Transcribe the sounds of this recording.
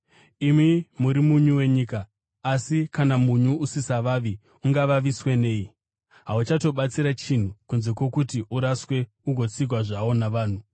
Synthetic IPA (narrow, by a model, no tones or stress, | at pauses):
imimuɾimuɲuwe̞ɲiːkaː | sikanamuɲuʔusisaʋaːʋi | uŋɡaʋaʋiswene̞ːji | ɦaut͡ʃato̞ɓat͡siɾat͡ʃin̤ukunze̞kwe̞kutiʔuɾaswe̞ | uɡʱo̞t͡siɡʱwaʐawo̞naʋaːn̤u